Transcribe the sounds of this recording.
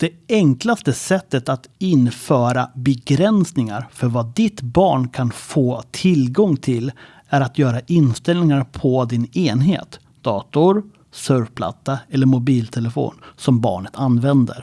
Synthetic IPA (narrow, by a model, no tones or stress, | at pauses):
d̪̥ɛɛŋklast̪əsɛt̪ːət̪at̪ɪnfœːɾabɛɡɾɛnsnɪŋa̰ɾfœɾvad̪ɪt̪bɑ̰ːɳkʰanfoːt̪ʰɪlɡɔŋt̪ʰɪl | æɾat̪ʰjœːɾaʔɪnst̪ɛlnɪŋaɾpʰɔd̪ɪneːnɦḛːt̪ | d̪ɑːt̪ʊɾ | sœɾvpʰla̰t̪ːaɛlːəɾmʊbiːlt̪ʰɛləfo̰ːnsɔmbɑ̰ːɳət̪ʰanːvɛnd̪ə̰ɾ